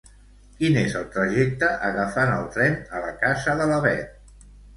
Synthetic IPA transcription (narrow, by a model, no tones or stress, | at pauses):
kinezəlˠt̪ɾəʒɛk̚t̪əʔəɣəfanəlˠt̪ɾɛnələkazəðələβɛ